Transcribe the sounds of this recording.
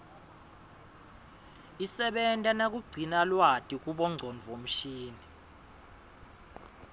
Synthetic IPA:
isɛɓɛntʼanak̬ʼuɡ͡ǀʱinalwatʼik̬ʼuɓɔŋ͡ǀʱɔnvom̩ʃiːni

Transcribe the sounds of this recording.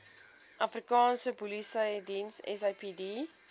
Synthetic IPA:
ʔɐfrikɑːnsəpulisəjdinsɛ̰sɐjpidi

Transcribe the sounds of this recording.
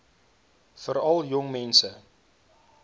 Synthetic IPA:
fəɾɐlˠjɔŋmɛnsə

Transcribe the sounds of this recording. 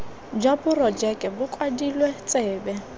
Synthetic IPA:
d͡ʒabʊrɔd͡ʒɛkʼɛbʊkʼwadilwɛt͡sʼɪːbɛ

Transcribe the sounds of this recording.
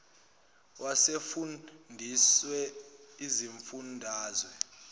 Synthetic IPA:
wʔasefunndʱiswɛiziɱfundʱaːzwɛ

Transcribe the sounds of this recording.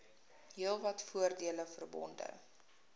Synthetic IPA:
ɦiəlˠvɐtfuərdiələfərbɔ̰ndə̰

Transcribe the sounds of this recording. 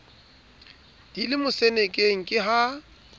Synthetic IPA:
d̥ilɪmʊsɛnekʼeŋ̩kʼɪɦa

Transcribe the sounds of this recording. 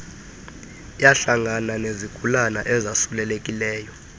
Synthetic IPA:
jaɬaŋananeziɡ̥ʱulanaʔɛzasulɛlekʼilɛːjɔ

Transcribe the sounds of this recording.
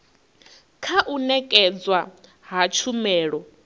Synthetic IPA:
kʰaʔunɛkʼɛd͡zwa | ɦat͡ʃʰumɛːɺɔ

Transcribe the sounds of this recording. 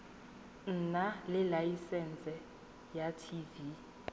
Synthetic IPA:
n̩nalɪlajisɛnt͡sʼɛ | jatʰivi

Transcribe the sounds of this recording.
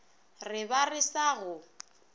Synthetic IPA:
rɪbarɪsaɣʊ

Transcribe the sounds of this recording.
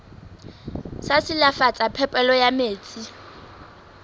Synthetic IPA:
sasɪlafat͡sʼapʰɛpʼɛlɔjameːt͡sʼi

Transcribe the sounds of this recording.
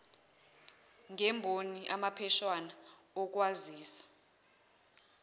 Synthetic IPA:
ŋɛmbʱoniʔamapʰɛʃwana | ɔk̬waziːsḁ

